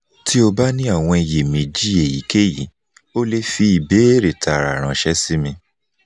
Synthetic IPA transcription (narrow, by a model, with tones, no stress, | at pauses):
ti˦o˧ba˦nĩ˦a˦˨w̃ɔ̃˧i˧je˨mĩ˨d͡ʒi˦e˨ji˨˦ke˦jḭ˨˦ | o˦le˧fi˧i˨be˨˦e˦ɾe˨ta˨ɾa˨ɾ̃ã˨˦ʃɛ˦si˦mĩ˧